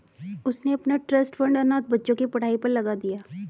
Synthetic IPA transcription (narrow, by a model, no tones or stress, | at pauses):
ʊsneɐpnaʈɾɐsʈfɐ̃ɳɖɐnaːt̪̚bɐtːʃõkipɐɽ̤aːipɐɾlɐɡad̪ijaː